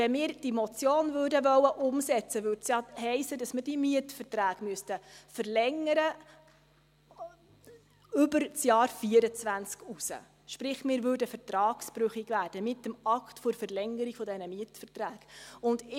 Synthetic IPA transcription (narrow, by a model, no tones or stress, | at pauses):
ɛnmɪːɾd̥imɔt͡sjoːnvøːɾdəʋœwəʔʊmsɛt͡səʋʏːɾtsjɑhɛɪsəd̥ɑsməd̥imiətfərtræːɡ̥myəstəfəɾlɛŋəɾə | ʏbəɾt͡sjɑːɾfiəɾət͡svænt͡skusə̰ | ʃpɾɪχmɪːɾvʉːɾdəfəɾtɾɑːkspɾʉχiɡvæːɾd̥əmɪtːəmɑktfʊɾfəɾlɛŋəɾiɡ̥fɔdɛnəmiətfərtræːɡ̥ʊndɪ